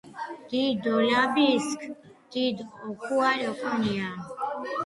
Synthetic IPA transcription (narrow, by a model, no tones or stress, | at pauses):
t̪id̪olabisk | t̪id̪okualokonija